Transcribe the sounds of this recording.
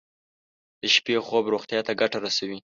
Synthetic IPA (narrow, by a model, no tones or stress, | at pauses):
d̪̥əʃpexobɾoxt̪jɑt̪aɡaʈaɾasawi